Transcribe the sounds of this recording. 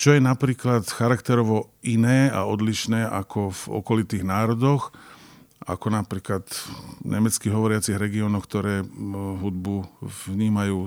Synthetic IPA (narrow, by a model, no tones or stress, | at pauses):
t͡ʃɔjɛnapɾiːklat̪xaɾakt̪ɛɾɔʋɔ | inɛːa̰ɔd̪liʃnɛːʔa̰kʰɔvɔ̰kɔlit̪iːɣnaːɾɔd̪ɔx | a̰kɔnapɾiːklad̪ɲʔɛ̰mɛt͡skiɣɦɔʋɔɾɪat͡siɣɾɛɡiɔnɔxk̚t̪ɔɾɛːɦud̪̚buvɲiːmajuː